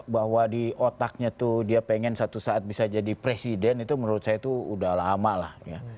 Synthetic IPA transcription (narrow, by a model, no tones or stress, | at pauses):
baɦwadiʔot̪ak̚ɲat̪udiapeŋɛnsat̪usaːt̪̚bisad͡ʒadipɾesidɛnit̪umənuɾʊt̪̚sajat̪uṵdahlaɦamalahja